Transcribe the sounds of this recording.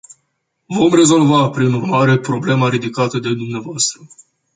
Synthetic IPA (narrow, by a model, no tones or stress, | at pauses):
vo̞mre̞zo̞lvapɾinurmaɾe̞pɾo̞ble̞maɾid̪ikat̪əd̪e̞d̪umneavoast̪ɾə